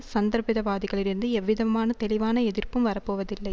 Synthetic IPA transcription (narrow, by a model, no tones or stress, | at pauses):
sɐnd̪ɐɾpɪðɐʋaːðɪɣɐɭɪɾɯnd̪ɯɛʋːɪðɐmaːnɐt̪ɛɭɪʋaːnɐɛðɪrpɯmʋɐɾɐpːoːʋɐðɪlːɐɪ